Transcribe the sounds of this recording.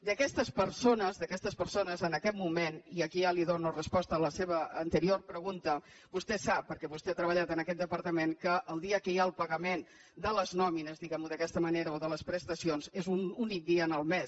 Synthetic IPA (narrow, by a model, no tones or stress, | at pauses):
d̪əkɛst̪əspəɾsonəzðəkɛst̪əspəɾsonəzənəkɛt̪mumeniəkialiðonurəspɔst̪əːləseβəːnt̪əɾiorpɾəɣunt̪ə | bust̪ɛsapːəɾkɛβust̪eat̪ɾəβ̞əʎat̪ənəkɛt̪d̪əpəɾt̪əmeŋkəʔːlˠd̪iəkəjaəlˠpəɣəmen | d̪ələznɔminəzðiɣɛmuðəkɛst̪əməneɾəoðələspɾəst̪əsionzezununik̚d̪iəːnəlˠmɛs